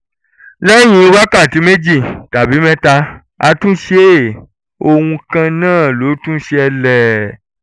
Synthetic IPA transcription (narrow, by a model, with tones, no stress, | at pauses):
lɛ˦j̃ĩ˧o˧ba˦ka˦˨ti˨˦me˦d͡ʒi˦˨ta˨bi˨˦mɛ̃˦ta˧ | a̰˧tũ˦ʃe˦˨ | o˧wũ˧kã˧nãː˦˨lo˨˦tũ˦ʃe˧ɛ˧lɛ˨